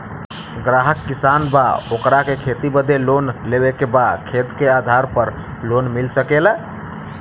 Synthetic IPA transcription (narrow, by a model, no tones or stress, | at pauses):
ɡɾaɦəkːisanba̰okɾakekʰet̪ibəd̪elonleβekebakʰet̪kead̪ʱaɾpəɾ | lonmilsəkela